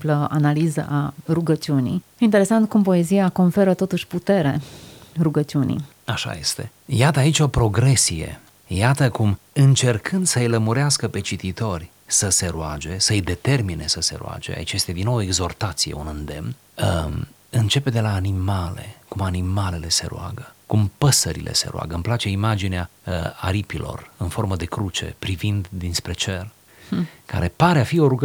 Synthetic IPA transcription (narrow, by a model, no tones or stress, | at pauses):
pləa̰nalizə̰ʔaruɡət͡ʃiunḭ | int̪eɾe̞sant̪̚kumpo̞e̞zijako̞nfe̞ɾət̪o̞t̪uʃʲput̪e̞ɾe̞ruɡət͡ʃiunḭ | aʃa̰je̞̰st̪e̞̰ | jat̪əait͡ʃʲo̞pɾo̞ɡɾe̞sije̞̰ | jat̪əkum | ɨnt͡ʃe̞rkʰɨnd̪səɨjləmuɾeaskəpe̞t͡ʃit̪it̪o̞rʲ | səse̞ɾuad͡ʒe̞səɨjd̪e̞t̪e̞rmine̞səse̞̰ɾṵa̰d͡ʒe̞̰a̰it͡ʃje̞st̪ed̪inːowe̞ɡzo̞rt̪at̪sijeunɨnd̪e̞mn | ə | ɨnt͡ʃe̞pe̞d̪e̞laːnimale̞̰kumanimale̞le̞se̞̰ɾṵa̰ɡəkumpəsəɾḭlʔḛse̞̰ɾṵa̰ɡəɨmplat͡ʃe̞imad͡ʒineaa̰ɾipilʔo̞̰rɨnfo̞rməd̪e̞kɾut͡ʃe̞̰pɾivind̪d̪inspɾe̞t͡ʃe̞r | ka̰ɾe̞paɾeafio̞ɾuɡ